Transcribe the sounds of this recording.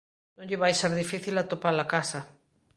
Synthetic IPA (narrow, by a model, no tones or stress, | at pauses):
nõŋʎɪβajseɾðifiθilat̪opaɾlakasa